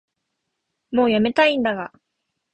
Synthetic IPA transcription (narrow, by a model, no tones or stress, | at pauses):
mo̞ːjame̞t̪aĩnd̪aɡa